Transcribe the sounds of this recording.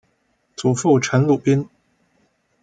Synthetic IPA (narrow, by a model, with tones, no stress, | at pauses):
t͡su˨˩fu˥˩ʈ͡ʂʰə˧˥nlu˨˩pi˥n